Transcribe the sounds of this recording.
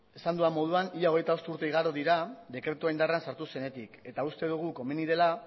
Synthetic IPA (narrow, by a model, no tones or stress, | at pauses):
e̞sand̪uamːo̞ð̞uaniʎao̞ɣ̞e̞jt̪ao̞st̪uɾt̪eiɣ̞aɾoðiɾad̪e̞kɾe̞t̪uajnd̪aransaɾt̪use̞ne̞t̪ike̞t̪aust̪e̞ðuɣ̞uko̞meniðe̞la